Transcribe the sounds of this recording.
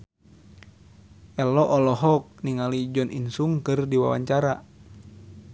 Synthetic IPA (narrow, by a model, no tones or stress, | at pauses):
ʔɛlɔʔɔlɔɦɔk̚niŋalid͡ʒɔnʔḭnsuŋkɨrdiwa̰wa̰ɲt͡ʃaɾa